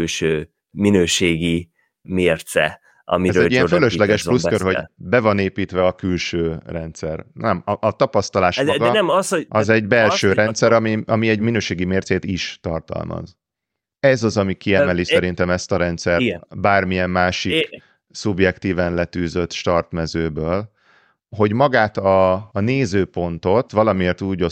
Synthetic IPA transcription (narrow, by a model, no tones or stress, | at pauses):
ylʃøː | minøːʃeːɡi | meːrt̪sɛ̰ | ɒ̰miɛzɾøɛɟiɛføløʃlɛɡɛʃplustkørho̞bɛvɒneːpiːt̪ʋɛɒkylʃøːrɛnt̪sɛ̰rnɛmɒʔɒt̪ɒpɒst̪ɒlaːʃɡɛmsoɒzɛɟbɛlʃʃøːɾɛnt̪sɛɾɒmiɒmiɛɟminøːʃeːɡimeːrt̪seːt̪iʃt̪ɒrt̪ɒ̰lmɒ̰z | ɛzɒzɒmikiɛmmɛlisɛɾint̪ɛmɛst̪ɒɾɛnt̪sɛrbaːrmiɛmːaːʃik | subjɛkt̪iːvɛnlɛt̪yːzøt̪ːʃt̪ɒrt̪mɛzøːbøːl | ɦo̞ɟmɒɡaːt̪ɒːneːzøːpo̞nt̪o̞t̪vɒlɒmieːrt̪uːɟo